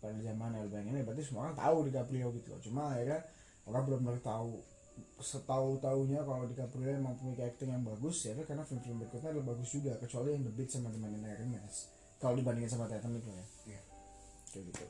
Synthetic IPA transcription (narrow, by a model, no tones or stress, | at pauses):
padald͡ʒamanalbajaŋanapaɾt̪is̬əmuakaŋt̪a̰udikapɾiaɡit̪ulɔ̰t͡ʃumaːirja | oɾaŋbəlʊmənaɾkt̪au | sət̪aut̪auɲakalodikapɾiaemaŋpuikaɛk̚t̪ɪŋjaŋbaɡʊsjadakarnafɪmfilɪmbɾikɔt̪ɲadalahbaɡʊsd͡ʒuɡakət͡ʃualijaŋdəbɪt̪̚samat̪̬əmananarəŋas | kalodibandɪŋansamat̪aat̪anit̪ulaja | d͡ʒaɡit̪ṵ